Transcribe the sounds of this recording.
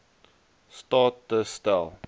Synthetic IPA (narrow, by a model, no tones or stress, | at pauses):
stɑt̚dəstəlˠ